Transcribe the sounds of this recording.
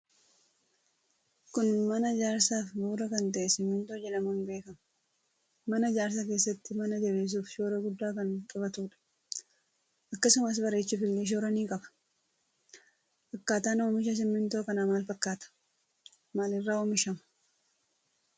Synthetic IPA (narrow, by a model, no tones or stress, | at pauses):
kʊnmɐnɐd͡ʒaːɾsaːfbuːɾɐkɐnt̪ɐʔɛsɪmːɪnt̪o̞ːd͡ʒɛᶑɐmɐːnbe̞ːkɐmɐ | mɐnɐd͡ʒaːɾs̬ake̞ːsːɐt̪ːɪmɐnɐd͡ʒɐbe̞ːs̬uːfʃoːɾɐɡʊd̪ːaːkɐnkʼɐbɐt̪uːᶑɐ̥ | ʔɐkːɐsʊmɐs̬bɐɾe̞ːt͡ʃːɪfɪlːeʃ̬oːɾɐniːkʼɐbɐ̥ | ʔɐkːaːt̪aːnoːmɪʃɐs̬ɪmːɪnt̪o̞ːkɐnaːmaːlfɐkːaːt̪ɐ̥ | maːlɪrːaːoːmɪʃɐmɐ